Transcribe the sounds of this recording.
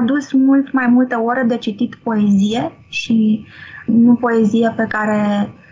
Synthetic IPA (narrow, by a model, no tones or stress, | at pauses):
ad̪usmult̪majmult̪e̞o̞ɾed̪e̞t͡ʃit̪it̪po̞e̞zije̞ | ʃi | nupo̞e̞zijepe̞kaɾe̞